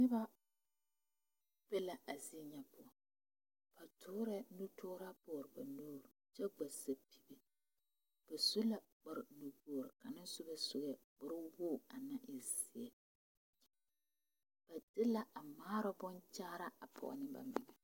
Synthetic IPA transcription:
nɪ˦ba˦ | bɛ˦la˦ʔa˨zi˦ɲɛ˨pʊ˦ɔ˨ | b̥a˨tʰʊː˦ɾɛ˦nu˦tʊː˦ɾa˦bɔː˨ɾɨ˨ba˨nuː˦ɾt͡ʃɛ˦ɡ͡ba˨sa˦pi̥˦be˨ | b̥a˨su˦la˨ | k͡pʊ˨ɾɪ˨nu˨bu˨ɾɪ˨ka˨nɪ˦nsʊ˦ba˨sʊ˦ɡɛ˨k͡pʊ˨ɾɪ˦wʊː˦˨a˨na˦ʔɪ˨zɪ˦ɛ˨ | b̥a˨dɪ˦la˦ʔa˨maː˦ɾʊ˦bʊ˦nt͡ʃaː˦ɾa˦a˨pʰɔ̰˨ɔ̰˨nɪ˦ba̰˨mɪ̰˨ŋɛ˨

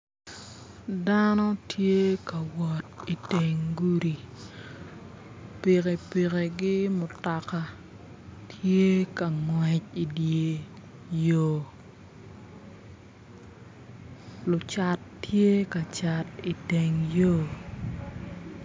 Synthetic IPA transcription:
da˦nɔ˦tʰje˦ka˨wɔ˨t̚i˨te˨ŋɡu˦ɾi˨ | pi˨ke˨pi˨ke˨ɡɪ˦mʊ˨ta˨ka˨ | tʰje˦ka˨ŋwɛ˨t͡ʃi˨dje˨ | jo˨ | lʊ˨t͡ʃa˨tːje˦ka˨t͡ʃa˨ti˨te˨ŋjo˦˨

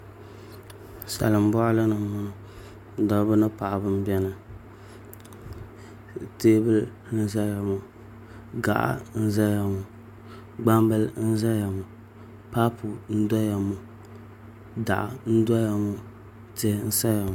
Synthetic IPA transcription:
sa̰˨lɨ˨m˦bɔ˦ʔa˦la˦nɨ˨mʊ˦nɨ˨˦ | dɔ˨˦bɨ˦nɨ˦pa˨ʔa˨bɨ˦m̩˦bɛ˦nɨ˨ | teː˦bɨ˦l | nɨ˦za˦ja˨mu˨ | ɡa̰˨ʔa̰˦n̩˦za˦ja˨mʊ˨ | ɡ͡ba˦mbɨ˦ln̩˦za˦ja˨mu˨ | pa˦pʰʊ˨n̩˦dɔ˦ja˨mu˨ | da̰˨ʔa̰˨n̩˦dɔ˦ja˨mu˦ | te˦n̩˦sa˦ja˨mʊ˨

